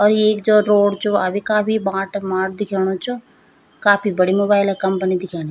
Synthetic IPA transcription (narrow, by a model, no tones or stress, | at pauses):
ɔːɾeːk̚d͡ʒoɾoːɖt͡ʃʰoabikaːpibãːʈmaːʈ̚d̪ɪkʰeːɽ̃ot͡ʃʰo | kaːpʰibɐɽimoːbaːɪlakɐ̃mpənid̪ɪkʰaːñi